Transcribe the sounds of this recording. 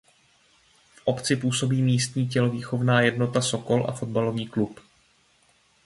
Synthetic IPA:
fʔo̞pt͡sɪpuːso̞biːmiːst̪ɲiːcɛlo̞viːxo̞vnaːjɛdno̞t̪aso̞ko̞lʔa̰fo̞d̪̚balo̞viːklup

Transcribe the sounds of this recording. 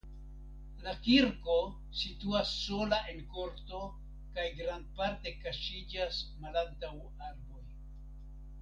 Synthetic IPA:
lakiɾko̞ | situasːo̞laʔe̞nko̞ɾto̞ | kajɡɾand̚paɾte̞kaʃid͡ʒasmalantaw | aɾbo̞j

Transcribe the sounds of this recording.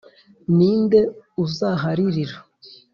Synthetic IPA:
niːnde̞uzaɦaɾiɾiɾa

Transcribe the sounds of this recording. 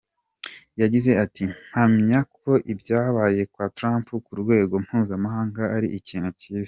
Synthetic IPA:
jaɟize̞atʰi̥hamɲak̚ʰo̞ʔibjaːβaje̞kwaːtɾaːmpukuɾɡwe̞ːɡo̞m̥huːzamaɦaːŋɡaaɾiʔiciːnhuciːzi̥

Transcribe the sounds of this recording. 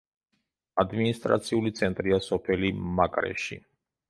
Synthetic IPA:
ad̪minist̪ʼɾa̰t̪sʰiulit̪sʰɛnt̪ʼɾiasɔpʰɛlimakʼɾɛ̰ʃḭ

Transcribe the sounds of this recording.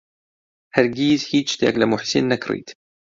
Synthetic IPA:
hæɾɡiːzhiːt͡ʃt̪æ̰ːklæmʊħsḛnːakɾḭt̪

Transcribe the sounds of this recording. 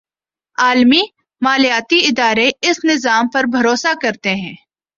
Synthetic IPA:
aːlmi | maːlijaːt̪iɪd̪aːɾeɪsnɪzaːmpɐɾbʱɐɾoːsakɐɾt̪eɦɛ̃ː

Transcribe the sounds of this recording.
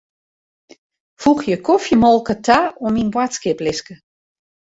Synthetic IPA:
fuxjəkʰofjəmɔlˠkətʰaominbwatskɪplɪskə

